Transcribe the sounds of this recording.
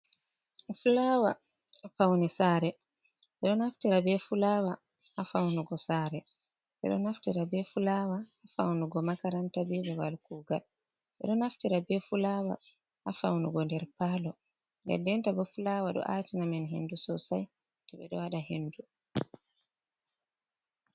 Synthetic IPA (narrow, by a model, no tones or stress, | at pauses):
fulaːwa | afawnisaːɾɛ | ɓɛɗɔnaftiɾabɛfulawa | hafawnuɡɔsaːɾɛ | ɓɛ̰ɗɔ̰naftiɾabɛfulawaːfawnuɡɔmakaɾantabibawalkuːɡal | ʔɛ̰ɗɔnaftiɾabɛfulawa̰ | ʔafawnuɡɔndɛɾpalɔ | nɡɛ̰dɛntabɛfulawaɗɔ̰ʔatinamɛnɦḛndusɔsaj | tɔɓɛ̰ɗɔwaɗaɦendu